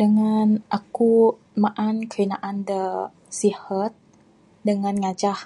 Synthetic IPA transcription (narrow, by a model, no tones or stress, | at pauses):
dəŋanʔaku | maʔankəinaʔandə | sihət̪̚ | dəŋanŋad͡ʒah